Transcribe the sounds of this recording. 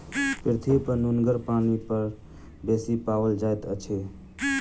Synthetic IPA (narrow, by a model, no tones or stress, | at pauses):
pɪɾt̪ʰipəɾnunɡəɾpanipəɾ | besipaʋəld͡ʒajt̪ət͡ʃʰe